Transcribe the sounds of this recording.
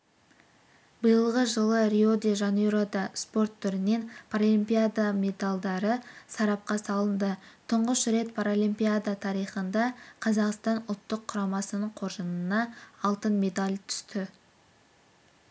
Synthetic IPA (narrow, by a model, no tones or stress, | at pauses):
bəjəlˠʁəʒəlˠəɾiod̪iʒɑneɾod̪ɑspo̞rt̪ʰːʏɾɪne̞npʰaɾolʲimpʲijad̪ame̞d̪alˠd̪ɑɾəsɑɾɑp̚qɑsɑlˠənd̪ət̪ʰʊɴʁəʃɾe̞t̪̚pʰaɾolʲimpʲijad̪at̪ʰɑɾijχənd̪ɑqʰɑzɑqst̪ɑnʊlˠt̪ːəqʰːʊɾɑmɑsənəɴqʰo̞ɾʒənənɑːlˠt̪ənme̞d̪alʲt̪ʰʏ̥st̪ɪ